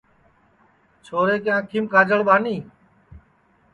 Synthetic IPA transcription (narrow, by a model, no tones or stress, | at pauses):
t͡ʃʰoːɾeːkjãːkʰimkʰaːd͡ʒəɭɓaːniː